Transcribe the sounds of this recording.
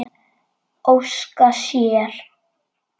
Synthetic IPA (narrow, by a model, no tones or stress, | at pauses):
owskasjɛːɾ̥